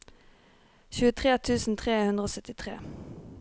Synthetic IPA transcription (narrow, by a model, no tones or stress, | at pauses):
çʉːət̪ʰʁeːt̪ʰʉːsn̩t̪ʰʁeːhʉnd̪ʁəoːsœt̪ɪt̪ʰʁḛː